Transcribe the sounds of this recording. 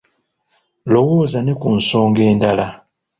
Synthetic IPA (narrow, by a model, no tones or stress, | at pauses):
lo̞woːzanekunso̞ːŋɡe̞ːndala